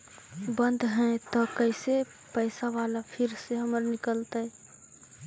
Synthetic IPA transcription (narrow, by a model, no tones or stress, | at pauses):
bə̃nd̪ʱɦɛ̃t̪ɔkəɪse | pəɪsaʋalapʰɪɾseɦəməɾnɪkəlt̪aɛ